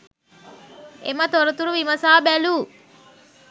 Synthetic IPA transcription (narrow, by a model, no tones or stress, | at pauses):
ḛmət̪oɾət̪uɾuʋimɐsaːbæluː